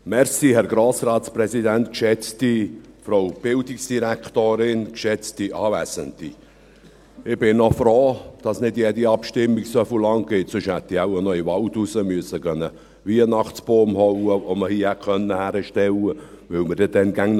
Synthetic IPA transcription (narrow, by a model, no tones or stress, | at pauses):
mɛɾsihɛɾɡ̥ɾoːsrɑːt̪sprɛsidæntkʃɛt͡stifɾoʊb̥ɪldiksd̥iɾækt̪oːɾɪnkʃɛt͡stiʔɑːvæːsənt̪i | ɪb̥ɪnnɔfɾoːd̥ɑsnɪdjɛːdiɑpʃtɪmːiɡsofulɑŋɡ̥ɪtsʏʃhæt̪ːiaʊənœivɑltusəmyəsəkœnːə | viənɑχsb̥oːmhɔwəoməhiəhækʰœnːəhæɾəʃtɛlə | ʋɪlməɾd̥ɛd̥ɛnɡæŋn